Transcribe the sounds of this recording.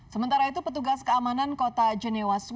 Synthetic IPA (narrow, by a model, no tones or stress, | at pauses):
səmənt̪aɾait̪upət̪uɡaskəamanankot̪ad͡ʒənɛwas